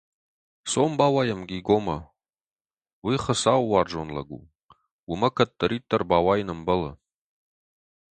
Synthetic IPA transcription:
sombawajamɡʲiɡoma | wiχəsawːard͡ʒonla̰ɡṵ | wumɐkʰɐtʼːɐɾit̪ʰʼːarbawajnɨmbɐla̰

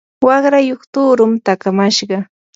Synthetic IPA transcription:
wɑχɾajoχt̪ʊːɾʊmt̪akamaʃɢɑ

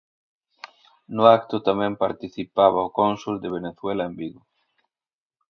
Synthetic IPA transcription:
nʊakt̪ʊt̪amɛ̃mpaɾt̪iθipaβaʊkonsuld̪eβ̞eneθwelaembiɣʊ

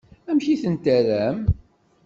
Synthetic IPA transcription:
æmçiθənt̪æɾæm

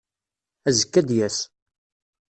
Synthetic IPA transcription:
æzəkːæd̪jæs

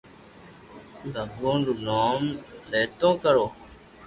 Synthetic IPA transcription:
ləɡõːɖunoːmleːt̪õːkəɾoː

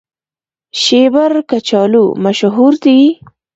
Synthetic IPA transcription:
ʃebaɾkat͡ʃɑlṵmaʃɦuɾd̪i

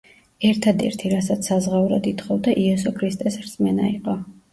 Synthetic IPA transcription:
ɛɾt̪ʰad̪ɛ̰ɾt̪ʰiɾasat̪sʰsːazʁauɾad̪it̪χɔvd̪aʔiɛsɔkʰɾist̪ʼɛsɾsʼmɛnaiqʼɔ

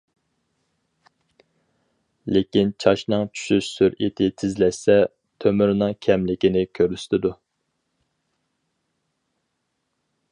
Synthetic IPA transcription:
lekʲint͡ʃʰɑʃnɨŋt͡ʃʰy̥ʃyʃsyɾit̪ʰɪt̪ʰɪzlɛsɛ | t̪ʰømyɾnɨŋkʲʰɛmlɪkʲinɪkʲʰøɾyst̪ʰɪd̪u

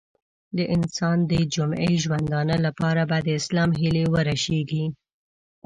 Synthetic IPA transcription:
d̪əʔɪnsɑnd̪əd͡ʒʊmḛjʒwand̪ɑnəlapɑɾabad̪əɪslɑmɦɪlewəɾaʃeɡi

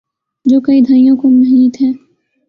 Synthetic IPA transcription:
d͡ʒoːkɐid̪ʱaːijõkomɐɦiːt̪ɦɛ̃ː

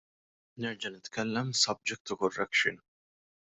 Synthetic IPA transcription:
nɪɾd͡ʒɐnɪt̪kʰɛlːɛmsɐb̚d͡ʒɛk̚t̪ʊkɔrːɛkʃɪn

